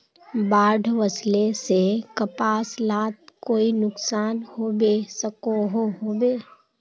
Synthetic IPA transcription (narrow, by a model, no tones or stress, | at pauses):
baːɖʱʋəslesekəpaːslaːt̪̚koːinʊksaːnhoːbesəkoɦoɦoːbeː